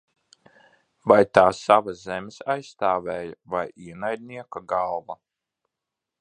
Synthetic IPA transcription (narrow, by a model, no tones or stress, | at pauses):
vajt̪aːsavazɛmʲesajsːt̪aːvɛːjavajiɛnajd̪̚ʲniɛkaɡalˠva